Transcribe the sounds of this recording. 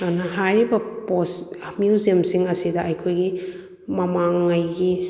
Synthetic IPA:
anɐɦajɾibɐposmjuziɐmsiŋɐsidɐɐjkʰojɡi | mɐmaŋːajɡi

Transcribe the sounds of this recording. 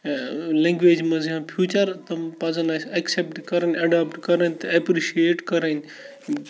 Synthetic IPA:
lẽːŋɡʋeːd͡ʒmɐziɦãːpʰjuːt͡ʃɐɾt̪ɐmpɐzɐnɐːsɐksep̚ʈkɐɾɐnɐɖaːpʈkɐɾɐnt̪ɐɐpɾiʃieːʈkɐɾɐn

